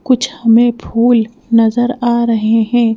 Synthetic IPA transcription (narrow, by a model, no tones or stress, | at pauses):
kʊt͡ʃʰhɐmẽbʱuːl | nɐzəɾaːɾɐɦeɦɛ̃ː